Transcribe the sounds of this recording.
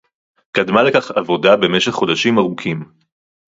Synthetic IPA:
kadmale̞kaχavo̞dabe̞me̞ʃeχːo̞daʃimaʁukʰim

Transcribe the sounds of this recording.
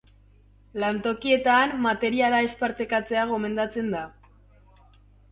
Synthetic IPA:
lant̪o̞kie̞t̪anːat̪e̞ɾiaɾae̞spaɾt̪e̞kat͡se̞aɣo̞me̞nd̪at͡se̞nd̪a

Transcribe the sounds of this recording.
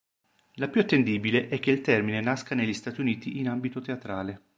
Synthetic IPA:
lapjuat̪ːend̪iːbileʔɛk̟ːeilt̪ɛrminenaskaneʎːist̪aːt̪iuniːt̪iʔinambit̪ot̪eat̪ɾaːle

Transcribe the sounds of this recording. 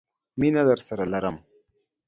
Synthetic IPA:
minad̪əɾsaɾalaɾəm

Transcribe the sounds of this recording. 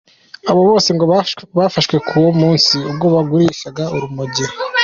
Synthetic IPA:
aβo̞βo̞ːseŋɡoβafaʃwe̞kʰuwomuːnsiub̚ɡo̞βaɡuɾiːʃaɡauɾumuɟiɾ

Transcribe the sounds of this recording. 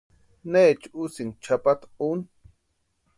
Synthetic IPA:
neːt͡ʃusiŋt͡ʃʰapat̪un

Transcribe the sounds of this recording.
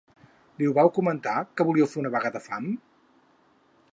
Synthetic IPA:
liuβawkumənt̪akəβuliəwfeɾunəβəɣaðəfam

